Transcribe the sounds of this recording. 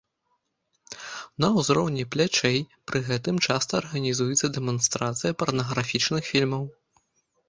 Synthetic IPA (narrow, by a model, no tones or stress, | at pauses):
nɐwzɾɔwnʲiplʲat͡ʂɛjpɾɨɣɛt̪ɨmt͡ʂast̪ɐːrɣɐnʲizujɛt̪sːɐd̪ɛmɔnst̪ɾat̪sɨjɐpɐrnɐɣɾafʲit͡ʂnɨxfʲilʲmɐw